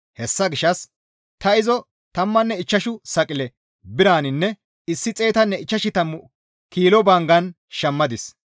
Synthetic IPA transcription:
hɛsːɐɡɪʃɐs | t̪ɐɪzɔ | t̪ɐmːɐnːɛɪt͡ʃːɐʃʊsɐkʼɪlɛ | bɪɾaːnɪnːɛ | ɪsːɪt͡sʼe̞ːt̪ɐnːɛɪt͡ʃːɐʃɪt̪ɐmːʊ | kiːlɔbaːŋɡɐn | ʃɐmːɐd̪ɪs

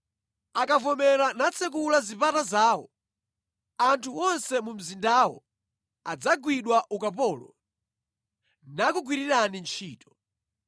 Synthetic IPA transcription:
akavɔmɛɾanat͡sʰɛk̬ulazipatazaːwɔ̰ | antʰuwɔnsɛmum̩zindawɔ̰ | ad͡zaɡwiɗwaʔukapɔːlɔ | nakuɡwiɾiɾanint͡ʃʰiːtɔ̥

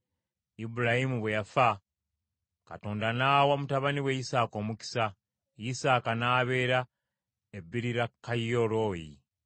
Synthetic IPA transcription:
ibuɾahimuβwejafa | kato̞ːndanaːwamutaβaniwejisaːko̞ːmuki̥sa | jisaːkanaːβe̞ːɾa | ebːiɾiɾakːajːoɾojḭ

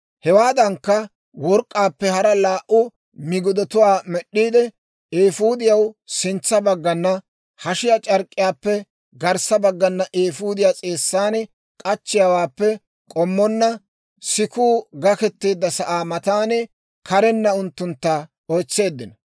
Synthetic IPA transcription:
hɛwaːd̪ɐŋkːɐ | wɔɾkʼːaːpːɛhɐɾɐlaːʔʊ | mɪɡʊd̪ɔt̪ʊwaːmɛɗːiːd̪ɛ | eːfuːd̪ɪjɐwsɪnt͡sːɐbɐɡːɐnːɐ | hɐʃɪjat͡ʃʼɐɾkʼːɪjaːpːɛ | ɡɐɾsɐbɐɡːɐnːɐʔeːfuːd̪ɪjat͡sʼeːsːaːnɛ | kʼɐt͡ʃːɪjawaːpːɛ | kʼɔmːɔnːɐ | sɪkuːɡɐkɛt̪ːeːd̪ːɐsɐʔaːmɐt̪aːnɛ | kɐɾɛnːɐʊnt̪ːʊnt̪ːɐ | ojt͡sːe̞ːd̪ːɪnɐ

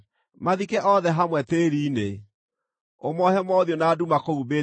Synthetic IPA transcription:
maðikɛʔɔðɛɦamwɛteɾiːne | omɔɦɛmɔðjonaːdumakoube

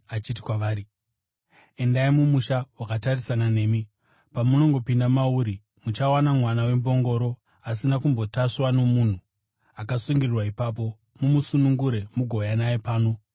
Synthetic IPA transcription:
at͡ʃit̬i̥kwaʋaːri | e̞ndaimumuʃawakatarisanane̞ːmi | pamuno̞ŋɡo̞pindamauɾi | mut͡ʃawanamwanawe̞mbo̞ŋɡo̞ɾo̞ | as̬inakumbo̞taʂwano̞mun̤u | akasuŋɡirrwaipaːp̬o̞ | mumusunuŋɡuɾe̞muɡʱo̞janajepaːno̞

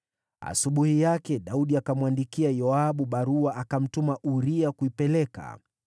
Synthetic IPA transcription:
a̰suɓuhijakɛɗauɗiakamwandikiajɔaɓuɓaɾuaʔakam̩tumaʔuɾiakuipɛlɛka̰

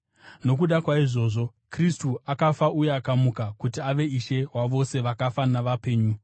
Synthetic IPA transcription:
no̞k̬uɗakwaiʐo̞ːʐo̞ | kristuakafaʔujeakamukakutiaʋe̞iʃe̞ɦwaʋo̞se̞ʋakafanaʋape̞ːɲu

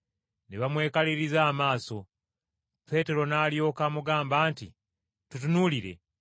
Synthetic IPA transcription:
neβamwe̞ːkaliɾizaːmaːso̞ | pe̞ːte̞ɾo̞naːljo̞ːkaːmuɡaːmbaːntḭ | tutunuːliɾe̞̰

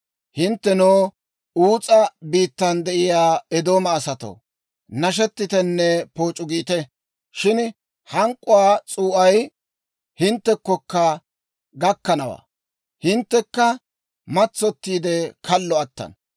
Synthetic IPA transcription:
hɪnt̪ːɛnoː | uːt͡sʼɐbiːt̪ːɐnd̪ɛʔɪjaːɛd̪o̞ːmɐːsɐt̪o̰ː | nɐʃ̬ɛt̪ːɪt̪ɛnːɛpo̞ːt͡ʃʼʊɡiːt̪ɛ | ʃɪn | hɐŋkʼːʊwaːt͡sʼuːʔɐj | hɪnt̪ːɛkːɔkːɐ | ɡɐkːɐnɐwa̰ː | hɪnt̪ːɛkːɐ | mɐt͡sːɔt̪ːiːd̪ɛkʰɐlːɔɐt̪ːɐ̰n

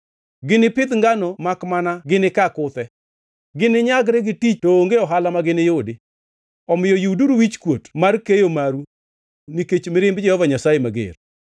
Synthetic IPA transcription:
ɡɪnɪpɪd̪ŋɡanɔmakmanaɡɪnɪkakʊt̪ɛ | ɡɪnɪɲaɡɾɛɡɪtit͡ʃtooŋɡeɔɦalamaɡɪnɪjʊdɪ | ɔmɪjɔjuduɾuwit͡ʃkwotmarkejomaɾu | niket͡ʃmɪɾɪmbd͡ʒɛhɔvaɲasajemaɡɪ̰r

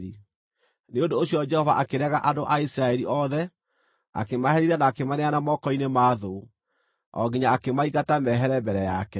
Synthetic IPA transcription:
i | neondoːɕijɔd͡ʒɛhɔvaʔakeɾɛɣaʔadoʔaisɾaɛɾiʔɔðɛ | a̰kemaɦɛɾiɾanaːkemaneanamɔkɔinemaːðo | ɔ̰ɡiɲaːkemaiɣatamɛɦɛɾɛmbɛɾɛjakɛ

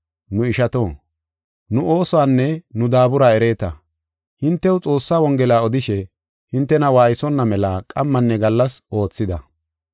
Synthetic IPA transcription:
nʊɪʃɐt̪o̞ː | nʊʔo̞ːsɔwaːnːɛnʊd̪aːbʊɾaːɛɾe̞ːt̪ɐ | hɪnt̪ːɛwt͡sʼo̞ːsːaːwɔŋɡɛlaːɔd̪ɪʃɛ | hɪnt̪ːɛnɐwaːjɪsɔnːɐmɛlaːkʼɐmːɐnːɛɡɐlːɐsʔo̞ːt͡sːɪd̪ɐ

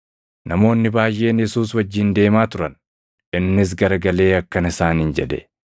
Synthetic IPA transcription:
nɐmo̞ːnːɪbaːjʔe̞ːnjɛsuːs̬wɐd͡ʒːɪnd̪e̞ːmaːt̪ʊɾɐn | ʔɪnːɪs̬ɡɐɾɐɡɐle̞ːɐkːɐnɪsaːnɪnd͡ʒɛᶑ̪ɛ̰

